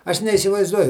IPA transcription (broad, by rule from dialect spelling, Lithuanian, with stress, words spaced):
ˈɐʃ nʲɛiːsʲɪʋɐɪzˈduɔjʊ